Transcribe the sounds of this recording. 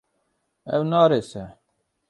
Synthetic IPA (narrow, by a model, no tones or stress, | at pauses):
ɛ̰wnɑːɾeːsɛ